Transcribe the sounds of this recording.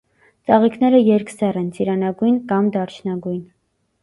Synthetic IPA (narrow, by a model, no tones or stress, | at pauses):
t͡sɑʁikʰnɛɾəjɛɾksɛrɛnt͡sʰiɾɑnɑɡujnkɑmd̪ɑɾt͡ʃʰnɑɡujn